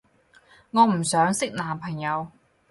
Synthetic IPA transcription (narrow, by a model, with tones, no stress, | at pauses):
ŋɔː˨˧m̩˨˩sœː˨˥ŋsɪ˥k̚naː˨˩mpʰɐ˨˩ŋjɐ˨˧w